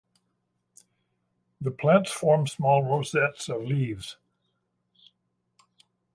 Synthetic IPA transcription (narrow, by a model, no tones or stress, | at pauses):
ðəpʰl̥æ̃ntsfɔɹmsmɔlˠɹoʊsɛtsʌvlivz̥